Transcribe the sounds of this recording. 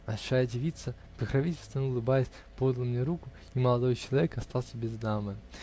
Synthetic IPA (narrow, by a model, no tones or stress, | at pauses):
balʲʂajədʲɪvʲit̪sːə | pɨxɾavʲitʲɪlʲst̪vʲənəʊlˠɨbajəsʲ | pod̪əlˠmnʲɛɾukʊ | iməlˠad̪ojt͡ɕɪlˠɐvʲekɐst̪alˠsʲəbʲɪzd̪amɨ